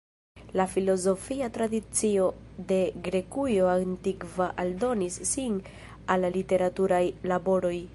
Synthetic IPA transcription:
lafilo̞zo̞fiatɾadit͡sio̞ | de̞ɡɾe̞kujo̞antikvaʔaldo̞nisːin | allite̞ɾatuɾajlabo̞ɾo̞j

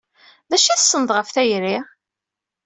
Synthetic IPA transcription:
ðæʃæθsˤːənəd̪ˤʁəfθæjɾi

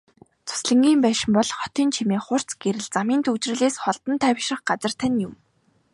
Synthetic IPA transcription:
t͡sʰʊ̥sɮə̆ŋɡʲiːmpæːʃɪ̆mpɔɮχɔt̪iːnt͡ɕʰimeːχʊr̥t͡sɡ̥eɾɘ̆ɮt͡samiːnt̪ut͡ɕrɘ̆ɮeːsχɔɮt̪ɞ̆nt̪ʰæwʲʃrə̆χɢat͡sə̆r̥t̪ʰænʲjʊm

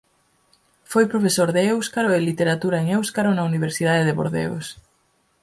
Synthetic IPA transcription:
fojpɾofesoɾðeewskaɾoelit̪eɾat̪uɾaeŋewskaɾonauniβ̞eɾsið̞aðeðeβo̰ɾðḛɣo̰s

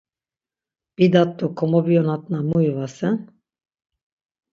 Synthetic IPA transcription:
b̥id̪at̪ːukʰɔmɔbijɔnat̪̚namuivasɛn

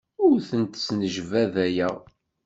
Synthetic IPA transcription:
ʊɾθənt̪ə̥snəʒvæðæjæ

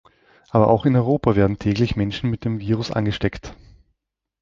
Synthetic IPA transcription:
ʔaːbɐʔaʊxɪnɔʏʁoːpaveːɐdn̩tʰɛːklɪçmɛnʃn̩mɪt̚d̥eːmviːʁʊsʔa̰nɡəʃtɛkt

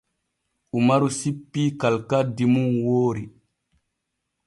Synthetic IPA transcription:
ʔumaɾusipːiːkalkadimunwoːɾi

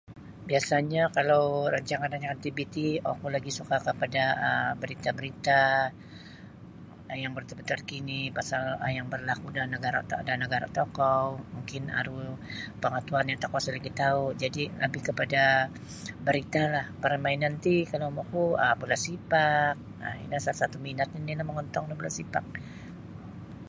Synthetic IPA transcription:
biasaɲakalawɾaɲt͡ʃaŋanraɲt͡ʃaŋant̪ibit̪io̰kulaɡisukakəpadaəbəɾit̪abəɾit̪a | jaŋbərt̪abət̪arkinipasaləjaŋbərlakudanəɡaɾa̰t̪danəɡaɾa̰t̪okɔmuŋkɪna̰ɾupəŋat̪uanjaŋt̪akwasalaɡit̪aud͡ʒadilə̰bɪhkəpada | bəɾit̪alahpəɾamainant̪ikalomɔkuəbulasipak̚ə̰ḭnasalasat̪uminat̪̚inilahməŋɔnt̪ɔŋlabulasipak̚

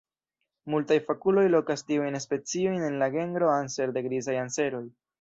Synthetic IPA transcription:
multajfakulo̞jlo̞kastiujnespe̞t͡sio̞jne̞nlaɡe̞ŋɡɾo̞anse̞ɾde̞ɡɾizajanse̞ɾo̞j

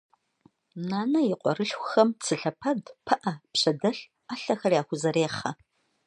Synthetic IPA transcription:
naːnɐjɪqʷʼɔ̰rɨɬxʷxɐmt͡sʰɨɬɐpʰɐdpʰɐʔɐpɕɐdɐɬ | aːɬɐxɐrjaːxʷʊzɐɾeːχɐ

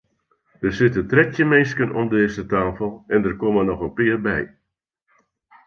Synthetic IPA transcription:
dəsɪtətrɛtjəmeːskənɔmdeːzətaːfəlˠɛndərkɔmənɔxənpɪːərbɛj

